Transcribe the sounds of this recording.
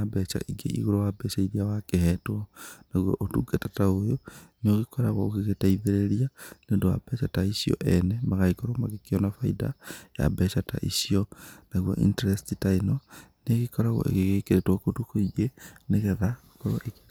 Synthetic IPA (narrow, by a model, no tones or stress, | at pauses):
abɛt͡ʃa̰ʔiɡḛʔḭɣoɾowabɛʃaiɾiawakehɛtwɔnaɣwoʔotuɡetataojonoɣikoɾaɣoɣiɣetaiðeɾeɾianendowa̰bɛt͡ʃataisio̰ʔɛnemaɣaikoɾomaɣekiɔnafaida̰ja̰bɛʃata̰ʔisionaɣwo̰ʔḭnteɾestitainoneɣikoɾaɣo̰ʔḛɣeɣekeɾetwokotukoiɣeneɣeɣa | koɾoʔek